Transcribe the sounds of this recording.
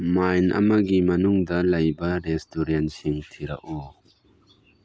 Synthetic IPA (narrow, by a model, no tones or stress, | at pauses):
majnʔɐ̰mɐɡimɐnuŋd̪ɐlɐjbɐɾestʰuɾensiŋt̪ʰiɾɐʔu